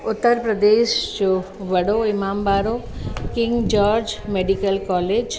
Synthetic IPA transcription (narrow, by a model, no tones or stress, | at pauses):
ʊt̪ːəɾpɾəd̪eʃd͡ʒo | ʋəɽoɪmaːmbaɾokɪŋɡd͡ʒɔːɾd͡ʒmeɖikəlkɔːled͡ʒ